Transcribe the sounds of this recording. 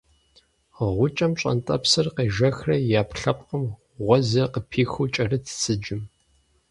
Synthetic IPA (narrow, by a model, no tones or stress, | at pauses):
ʁʷʊt͡ʃʼɐmɕʷʼɐ̰ntʼɐpsɨrqeʒɐxrɐjaːpɬɐpʼqəm | ʁʷɔzɐqəpʰiːxut͡ʃʼɐrɨtʰt͡sʰɨd͡ʒɪm